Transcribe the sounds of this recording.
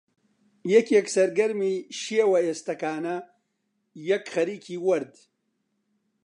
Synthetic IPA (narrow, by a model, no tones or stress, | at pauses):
jɛkjɛksɐɾɡɐɾmiːʃiewɐeːst̪ɐkaːnɐ | jɛkχɐɾiːkʰiːwɐɾd̪